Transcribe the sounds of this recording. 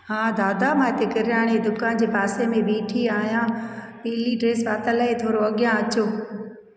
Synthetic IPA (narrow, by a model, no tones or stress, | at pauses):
hãːd̪aːd̪amãːɦɪt̪ekɪɾjaːɽ̃ed̪ʊkaːnd͡ʑeːbaːsemẽɓiːʈʰiaːɦjãː | piːliɖɾeːsʋaːt̪əlaet̪ʰoːɾoɐɠjãɐt͡ɕoː